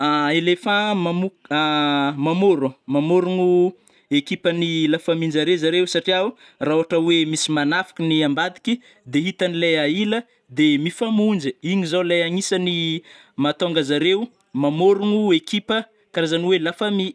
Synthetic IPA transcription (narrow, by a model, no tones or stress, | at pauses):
aelefãmamuamamoɾumamoɾuŋu | ekipənilafamind͡ʒaɾezaɾewsaʈ͡ʂiau | raoɦaʈ͡ʂəwemisimanafi̥kʲiniambad̪i̥ki | d̪eɦit̪anileailə | d̪emifamund͡ʒiiɲizaleaŋisəni | mat̪oŋɡazaɾeu | mamoɾuŋuekipə | kaɾazaniwelafami